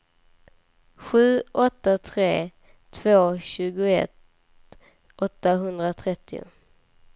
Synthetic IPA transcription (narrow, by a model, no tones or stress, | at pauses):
ɧʉ̟ːʔɔt̪ːat̪ʰɾeː | t̪ʰvoːɕʉ̟ːɡʊɛ̰t̪ | ʔɔt̪ːaɦɵnd̪ɾat̪ʰɾɛt̪ːɪʊ̰